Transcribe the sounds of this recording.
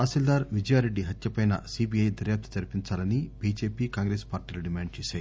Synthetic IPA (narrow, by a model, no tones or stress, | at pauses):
aːsild̪aːɾʋid͡ʒɐjaːɾe̞ɖːiɦɐt̪jɐpɐjnɐ̰siːbiːɐjd̪ɐɾjaːp̚t̪ʰɐd͡ʒɐɾpiɲt͡ʃaːlɐnibiːd͡ʒeːpiːkaːŋɡɾespaːɾʈiːlɐɖimaːɳɖ̚t͡ʃeːsaːji